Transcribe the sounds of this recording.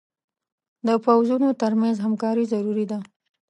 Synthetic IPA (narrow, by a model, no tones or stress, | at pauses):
d̪əpawzunot̪əɾmanzɦamkɑɾizaɾuɾid̪a